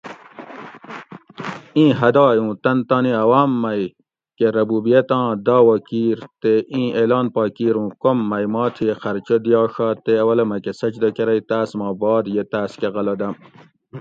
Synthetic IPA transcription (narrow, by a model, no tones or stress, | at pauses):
ĩːɦɐd̪ɑːjũːt̪ɐnt̪aːniɐwaːmːɐj | keɾɐbuːbijet̪ɑ̃ːd̪aːwɐkiːɾt̪eĩːʔelɑːnpɑːkiːɾũːkomːɐjmɑːt̪ʰixɐɾt͡ɕod̪ijɑːʂɑːt̪eɐwɐlɐmɐkesɐt͡ʃd̪ɐkeɾɐjt̪aːsmɑ̃ːbɑːd̪jet̪aːskeʁɐlɐd̪ɐm